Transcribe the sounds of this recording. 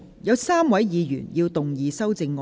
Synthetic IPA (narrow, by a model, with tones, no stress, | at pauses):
jɐ˨˧wsaː˥mwɐ˨˥jjiː˨˧jy̰ː˨˩njiː˧wt̪ʊ˨ŋjiː˨˧sɐ˥wt͡sɪ˧ŋːɔ˧